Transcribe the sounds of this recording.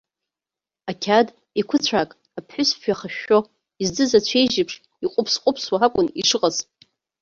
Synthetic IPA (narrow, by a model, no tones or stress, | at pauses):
akʲʰad | ikʷʰʊt͡ɕʷʰakʼ | apʰħʊspɥaχaʃːo | izdɨzat͡ɕʷʰejʒɪpʰʂ | iqʷʼʊpʰsqʷʼʊpʰswaɦakʷʼʊnḭʂɨqʼazʼ